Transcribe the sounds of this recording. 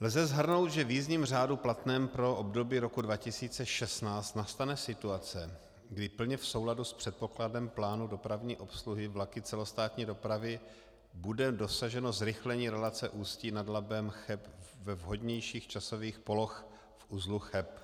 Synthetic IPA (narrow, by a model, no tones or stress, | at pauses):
lzɛzɦr̩no̞wt̪ʒɛviːzɲimr̝aːduplat̪nɛːmpɾo̞ʔobdo̞biːɾo̞kudvacɪsiːt͡sɛʃɛst̪naːt͡st̪nast̪anɛsɪt̪uat͡sɛ | ɡdɪpl̩ɲɛfso̞wladuspr̥ɛt̪̚po̞kladɛmplaːnudo̞pɾavɲiːʔo̞psluɦɪvlakɪt͡sɛlo̞st̪aːt̪ɲiːdo̞pɾavɪ | budɛdo̞saʒɛnozɾɪxlɛɲiːɾɛlat͡sɛʔuːsciːnadlabɛmxɛpvɛvɦo̞dɲɛjʃiːxt͡ʃaso̞viːxpo̞lo̞x | fʔuzluxɛp